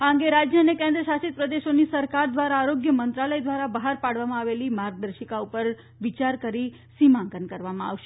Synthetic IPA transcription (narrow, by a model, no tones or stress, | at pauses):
aɦə̃ŋɡeɾad͡ʒjəənekɛ̃nd̪ɾəʃasit̪̚pɾəd̪eʃonisəɾkaɾd̪ʋaɾaːɾoɡjəmənt̪ɾaləjd̪ʋaɾabəɦaɾpaɽʋamãaʋelimaɾɡ̚d̪əɾʃəkaupəɾ | ʋit͡ʃaɾkəɾi | simãŋkənkəɾʋamãa̰ʋʃe̥